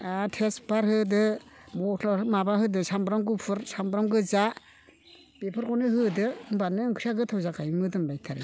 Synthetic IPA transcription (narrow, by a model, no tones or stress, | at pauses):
atʰesbaɾhɯdɯmɔmabaɦɯdɯsambɾamɡɯpʰɯɾsambɾamɡɯza | b̥epʰɯɾkɔnɯɦɯdɯmbanɯɯŋkʰɾijaɡɯtʰawzakajmɯdɯmbajtʰaɾɯ